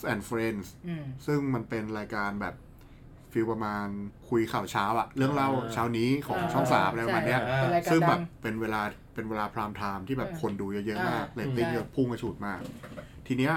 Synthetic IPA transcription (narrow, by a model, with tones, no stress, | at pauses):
sʔɛ˧˩nfɾe˧nssɯ˥˩ŋma˧npe˧nɾaː˧jkaː˧nbɛː˨˩p̚ | fi˧wpɾa˧maː˧nkʰu˧jkʰa˨˩wt͡ɕʰaː˦˥wʔa˨˩ʔɾɯ˥˩əŋla˥˩wt͡ɕʰaː˦˥wniː˦˥kʰɔː˨˩˦ŋ˨˩sʰɔː˦˥˩ŋsa̰ː˩˦mʔbaː˨˩ni˦˥ɐ˩sɯ˥˩ŋbɛː˨˩pːe˧nweː˧laː˧ | pe˧nweː˧laː˧pʰɾaː˧mt̪ʰaː˧mt̪ʰiː˥˩bɛː˨˩p̚kʰo˧nduː˧jaː˧˩jɤ˦˥maː˥˩k̚leː˧˩t̪ːi˥˩ŋjə˧˩pʰuː˥˩ŋka˧t͡ɕʰuː˨˩t̪̚maː˥˩k̚ | t̪ʰiː˧ni˦˥